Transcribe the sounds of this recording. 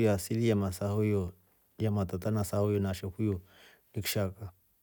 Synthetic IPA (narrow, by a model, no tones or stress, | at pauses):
jasilijamasahojɔ | jamat̪at̪anasahojɔnaʃɛhujo | nikʃaka